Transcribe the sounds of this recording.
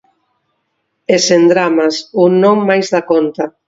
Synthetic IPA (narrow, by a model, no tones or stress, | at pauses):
esend̪ɾamasunnõŋmajzðakont̪a